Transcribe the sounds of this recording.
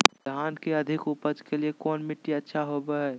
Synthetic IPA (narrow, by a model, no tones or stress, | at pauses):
d̪ʱaːnkeɐd̪ʱɪkupəd͡ʒkeliekɔːnmɪʈːiətːʃʰaɦobeɦɛ